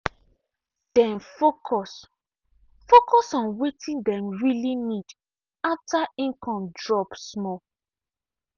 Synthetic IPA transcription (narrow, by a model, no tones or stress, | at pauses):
d̥ɛ̃nfokʰɔs | fokɔsɔ̃nwetʰĩndɛ̃mɹilinid | ataʔĩnkɔ̃mdɹɔpsmɔ